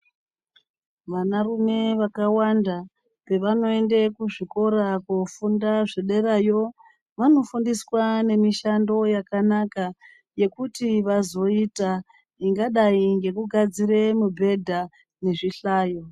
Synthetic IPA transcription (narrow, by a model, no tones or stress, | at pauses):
ʋanarume̞ʋakawanda | pe̞ʋano̞e̞nde̞kuʐiko̞ɾakofundaʐeɗe̞rajo̞ | ʋano̞fundiswane̞miʃando̞jakanaka | je̞kutiʋazo̞ita | iŋɡaɗaiŋɡe̞kuɡʱad͡zire̞mubʱe̞dʱa | ne̞ʐiɬaːjo̞